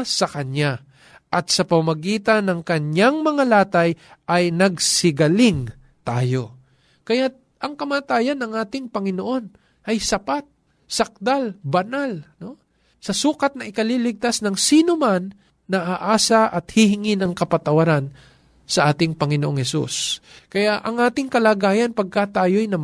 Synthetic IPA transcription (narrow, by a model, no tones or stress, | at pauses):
sɐkɐna | ʔɐt̪̚sɐpɐmamɐɡiːt̪anɐŋkɐɲjaŋmɐŋalaːt̪ajʔɐjnɐɡ̚sɪɡɐlɪŋ | t̪aːjo̞ | kɐjat̪̚ | ʔɐŋkɐmaːt̪aːjɐnɐŋʔaːt̪ɪŋpɐŋɪnoʔo̞n | ʔɐjsɐpat̪̚ | sɐk̚d̪albɐnalno̞ | sɐsuːkɐt̪̚nɐʔɪkɐlilɪɡ̚t̪asnɐŋsiːnomanː | ɐʔaːʔaːsɐʔɐt̪̚hihɪŋɪnɐŋkɐpɐt̪ɐwɐɾan | sɐʔaːt̪ɪŋpɐŋɪnoʔoŋhɛsṵskɐjaʔɐŋʔaːt̪ɪŋkɐlaːɡaːjɐnpɐɡ̚kat̪aːjojnɐm